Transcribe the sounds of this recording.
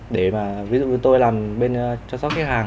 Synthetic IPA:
ɗe˧˩maː˨˩vi˨˦zṵ˧˨˩t̪o˧jlaː˨˩mɓe˧nt͡ɕɔ˧sɔ˦˥t̚kːa˦˥haː˨˩ŋ

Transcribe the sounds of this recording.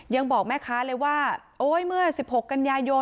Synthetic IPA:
ja˧ŋbɔː˨˩k̚mɛː˥˩kʰaː˦˥lɤː˧jwaː˥˩ | ʔoː˦˥jmɯ˥˩ɐsi˨˩p̚ho˨˩kːa˧njaː˧jo˧

